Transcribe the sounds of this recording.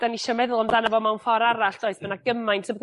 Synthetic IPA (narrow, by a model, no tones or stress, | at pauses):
d̥anɪʃɔmɛðlˠɔndanəvɔmawnfɔɾaɾaɬd̥oːɨsb̥ənaɡ̥əmajntʰəbɔð